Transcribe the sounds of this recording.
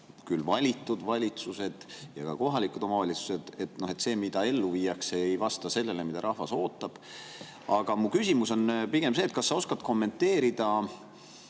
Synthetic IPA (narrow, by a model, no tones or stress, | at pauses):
kylvɑlʲit̪ːˑud̪̥vɑlʲit̪suse̞d̪̥jɑ̰kɑ̰ko̞ɦɑlikud̪̥o̞mɑvɑlʲit̪su̥se̞d̪̥e̞t̪no̞het̪se̞ːmid̪ɑe̞lːuviːjɑkseejvɑst̪ɑse̞lːe̞lemid̪ɑɾʔɑhvɑso̞ːt̪ːˑɑb̥ | ɑɡ̥ɑmukysʲimuso̞npiɡ̥emseːt̪̚kɑsːɑo̞skɑt̪ko̞mːe̞nt̪ːe̞ːɾid̪̥ɑ